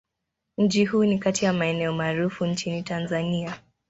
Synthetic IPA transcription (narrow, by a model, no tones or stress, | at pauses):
ɲ̩t͡ʃihuːnikatijamaɛnɛɔmaːɾufuɲt͡ʃinitanzania